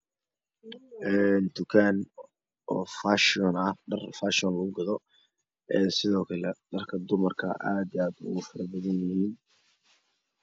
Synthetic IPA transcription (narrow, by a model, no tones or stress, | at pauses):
ʔɛnt̪ʰʊkʰaːn | ʔɔːfaʃɪɔnɐhɖɐrfaʃɔnlɐɣʊɡɐðɔ | ʔɛːsɪðɔːkʰɐlɛɖɐrkʰɐd̪ʊmɐrkʰɐ̰a̰ːd̪iaːd̪ʊ̰ɣʊfɐɾɐbɐðɐnjjɪhiːn